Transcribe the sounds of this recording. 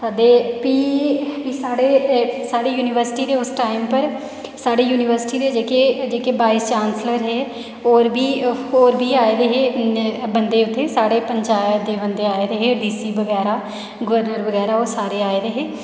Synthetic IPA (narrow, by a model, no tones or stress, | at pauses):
t̪ad̪eːpiːpiːsaːɽeːsaːɽeːjuːnɪʋəɾsɪʈiːd̪eːʊsʈaːɪmpəɾ | saːɽeːjuːnɪʋəɾsɪ̥ʈiːd̪eːd͡ʒeːkeːd͡ʒeːkebaːiːst͡ʃaːnsləɾɦɛː | oːɾbʱiːoːɾbʱiːaːed̪eɦeːbənd̪eːʊt̪ʰːeːsaːɽeːpəɲt͡ʃaːjəd̪eːʋənd̪eaːeːɾeɦeːd̪iːsiːbəɡɛːɾaː | ɡʊʋəɾnəɾʋəɡɛːɾaːoːɾsaːɾeːaːeːd̪eɦeː